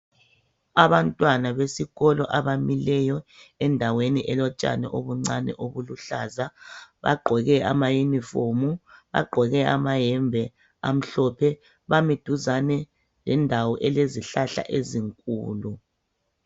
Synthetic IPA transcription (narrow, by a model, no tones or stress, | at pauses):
aβantʼwanaβesiɣɔlɔʔaβamilɛjɔɛndʱaweniʔɛlɔt͡ʃʼa̰nɛʔoβuŋ͡ǀanɛ̰ʔoβuluɬaːzaβa̰ɡ͡ǃʱɔɣɛʔa̰majimifomuβa̰ɡ͡ǃʱɔɣɛʔamaɦɛmbʱɛ | a̰m̩ɬɔpʰɛ | βamid̥ʱuzanɛ | lɛndʱawɔʔɛleziɬaɬa̰ʔeziŋkʼuːlu